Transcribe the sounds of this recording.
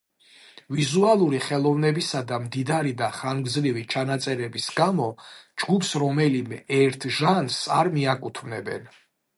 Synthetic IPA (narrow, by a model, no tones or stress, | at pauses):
vizualˠuɾiχɛlˠɔvnɛbisad̪amd̪id̪aɾid̪aχaŋɡzɾivit͡ʃʰanat̪sʼɛɾɛbisɡamɔd͡ʒɡupʰsɾɔmɛlimɛʔɛɾt̪ʰʒansaɾmiakʼut̪ʰmnɛbɛ̰n